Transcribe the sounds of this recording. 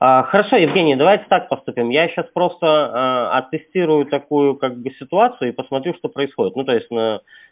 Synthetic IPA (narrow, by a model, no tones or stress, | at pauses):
axəɾɐʂo̞jɪvɡʲenʲɪjəd̪ɐvajtʲɪ̥t̪ak̚pɐst̪upʲɪmjaɕːaspɾo̞st̪əɐt̪ɨsʲtʲiɾʊjʊt̪ɐkujʊkaɡ̚bɨsʲɪt̪ʊat̪sɨjʊipəsmɐt̪ɾʲuʂt̪o̞pɾəɪsxodʲɪt̪nut̪o̞jɪsʲtʲmə